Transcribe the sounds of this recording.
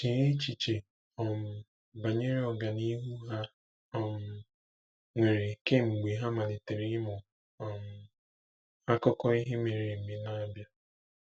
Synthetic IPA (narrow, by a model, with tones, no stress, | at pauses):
t͡ʃi˨ɾe˦t͡ʃi˨t͡ʃe˨ | ɔ˨m̩˨ | ba˨ɲe˦ɾi˦ɔ˨ɡa˨ni˦ɦu˦ɦa˦ | ɔ˨m̩˨ | ŋʷe˨ɾe˨ke˦ŋ͡m̩˨ɡ͡be˨ɦa˦ma˨ne˨te˨ɾi˦mʊ˨ | m̩˦ | a˦kʊ˦kɔ˦i˦ɦe˦me˨ɾe˨me˦na˦bja˦